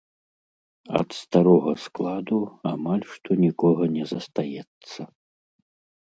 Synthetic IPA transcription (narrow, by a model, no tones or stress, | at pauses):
ɐ̰t̪st̪aɾɔɣɐsklˠad̪uamalʲʂt̪ɔnʲikɔɣɐnʲɛzɐst̪ajɛt̪sːɐ